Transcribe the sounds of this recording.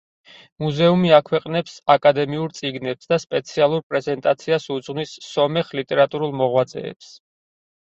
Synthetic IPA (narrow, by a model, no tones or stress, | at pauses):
muzɛumiakʰwɛqʼnɛpsakʼad̪ɛmiuɾt̪sʼiɡnɛpsd̪aspʼɛt̪sʰialˠuɾpʼɾɛzɛnt̪ʼat̪sʰiasud̪zʁnisːɔmɛχlit̪ʼɛɾat̪ʼuɾulˠmɔʁwat̪sʼɛ̰ɛ̰ps